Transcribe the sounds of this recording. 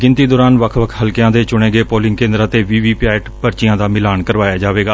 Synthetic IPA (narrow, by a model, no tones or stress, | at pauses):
ɡɪ̃nt̪iːd̪ɔːɾaːnʋəkʰʋəkʰɦəlkɪjãːd̪eːt͡ʃʊɽẽːɡeːpoːlɪ̃ŋɡkẽːnd̪ɾaːt̪eːʋiːʋiːpɪaːɪʈpəɾt͡ʃɪjãːd̪aːmɪlaːnkəɾʋaːjaːd͡ʒaːʋeːɡaː